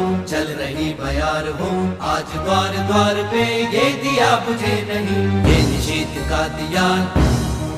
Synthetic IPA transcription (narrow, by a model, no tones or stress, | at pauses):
t͡ʃɐlɾɐɦibɐjaːɾɦoːaːd͡ʒɡ̪aːɾd̪waːɾpejeːd̪ijaːpʊt͡ʃʰeːnɐɦĩjeːnʃeːt̪kaːd̪ɪjaːn